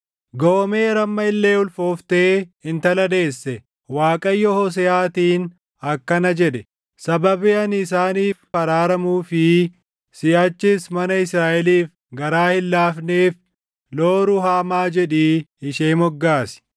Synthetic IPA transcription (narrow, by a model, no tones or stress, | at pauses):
ɡɔme̞ːɾɐmːɐɪlːe̞ːʊlfo̞ːft̪eːɪnt̪ɐlɐd̪e̞ːsːɛ | waːkʼɐjːɔhɔs̬ɛaːt̪iːn | ɐkːɐnɐd͡ʒɛᶑɛ | sɐbɐbɪɐnɪsaːniːffɐɾaːɾɐmuːfɪ | sɪjaːt͡ʃːɪsmɐnɐɪsɾaːʔɛliːf | ɡɐɾaːhɪlːaːfneːf | loːɾʊhaːmaːd͡ʒɛᶑiːɪʃeːmɔɡːaːsɪ̥